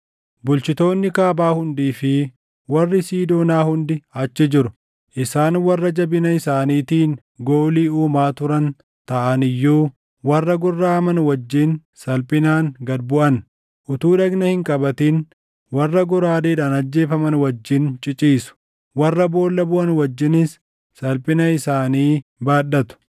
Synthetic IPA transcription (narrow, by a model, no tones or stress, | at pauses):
bʊlt͡ʃɪt̪o̞ːnːɪkaːbaːhʊnd̪iːfɪ | wɐrːɪsiːd̪oːnaːhʊnd̪ɪɐt͡ʃːɪd͡ʒɪɾʊ̥ | ʔɪsaːnwɐrːɐd͡ʒɐbɪnɐɪsaːniːt̪iːn | ɡo̞ːliːuːmaːt̪ʊɾɐn | t̪ɐʔɐnɪjːuː | wɐrːɐɡʊrːaːɐmɐnwɐd͡ʒːiːnsɐlpʼɪnaːŋɡɐd̪̚bʊʔɐn | ʔʊt̪uːᶑɐɡnɐhɪŋkʼɐbɐt̪iːn | wɐrːɐɡʊɾaːd̪eːᶑaːnɐd͡ʒːe̞ːfɐmɐnwɐd͡ʒːɪnt͡ʃʼɪt͡ʃʼiːsʊ̥ | wɐrːɐbo̞ːlːɐbʊʔɐnwɐd͡ʒːɪnɪsː | ɐlpʼɪnɐɪsaːniːbaːɗɐt̪ʊ̥